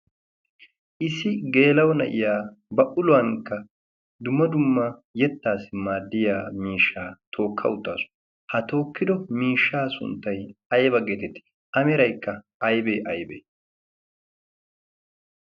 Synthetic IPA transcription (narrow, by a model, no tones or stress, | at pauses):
ʔɪsɪɡe̞ːlɐwɔnɐ̰ʔɪ̰jaː | bɐʔʊlʊwɐŋkːɐ | d̪ʊmːɐd̪ʊmːɐjɛt̪ːaːsɪmaːd̪ːɪjaːmiːʃːaːt̪ʰo̞ːkʰːɐ̰ʊt̪ːa̰ːsʊ̥ | hɐt̪o̞ːkːɪd̪ɔmiːʃːaːsʊ̰nt̪ːɐjɐjbɐɡɛt̪ɛt̪ɪ̥ | ʔɐmɛɾɐjkːɐ | ɐjbḛːʔɐjbḛː